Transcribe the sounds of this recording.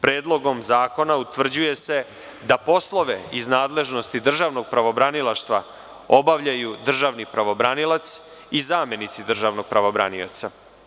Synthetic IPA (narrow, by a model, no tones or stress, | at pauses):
pɾeːd̪lˠo̞ɡo̞mzaːko̞naut̪ʋvr̩d͡ʑuje̞se̞ | d̪apo̞slˠo̞ʋe̞iznaːd̪le̞ʒno̞st̪id̪r̩ʒaʋno̞ɡ̚pɾaʋo̞bɾanilaʃt̪ʋa | o̞baʋʎajud̪r̩ʒaʋnipɾaʋo̞bɾanilat̪s | izaːmje̞nit̪sid̪r̩ʒaʋno̞ɡ̚pɾaʋobɾa̰nio̰t̪sa